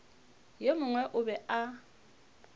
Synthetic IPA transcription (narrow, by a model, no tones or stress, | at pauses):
jemʊŋwɛʔʊbɛa